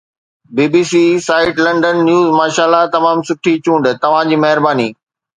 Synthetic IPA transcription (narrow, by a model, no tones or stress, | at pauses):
biːbiːsiːsaːɪʈlɐ̃ɳɖənːjuːzmaːʃaːlːat̪ɐmaːmsʊʈʰit͡ɕũːɳɖt̪ɐʋ̤ãd͡ʑiːmɐɦɪɾbaːniː